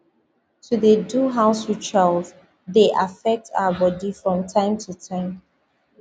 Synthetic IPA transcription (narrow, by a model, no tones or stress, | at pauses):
tʰuðəduɦãʊswi̥t͡ʃaɪlz | ðeʔafɛk̚tʰa̰ʊəbɔdifɹɔ̃mtʰãɪ̃mtʰutʰãɪ̃m